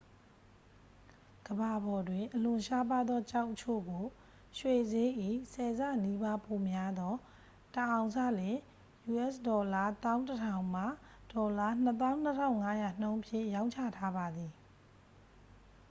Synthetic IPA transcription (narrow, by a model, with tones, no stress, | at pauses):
ɡ̥əba˨bɔ˨dwɪ̃˨ʔəlʊ̃˨ʃa˦p̬a˦d̪ɔ˦t͡ɕa˦ʊʔət͡ɕʰo̰˦˨ɡo˨ | ʃwe˦˨ze˦ʔḭ˦˨sɛ˨za̰˦˨ni˦ba˦po˨mja˦d̪ɔ˦ | təʔã˨ʊ̃sa̰˦˨lɪ̃˨ | ju˨ʔɛ˦˨sdɔ˨la˦t̪ã˦ʊ̃ntətʰã˨ʊ̃ma˦˨ | d̥ɔ˨la˦n̥ət̪̬ã˦ʊ̃n̥ə˦tʰã˦˨ʊ̃ŋa˦ja˨n̥õ˦ʊ̃ʔəpʰjɪ̰̃˦˨jã˦ʊ̃ɲt͡ɕʰä̰˦˨tʰa˦ba˨d̪i˨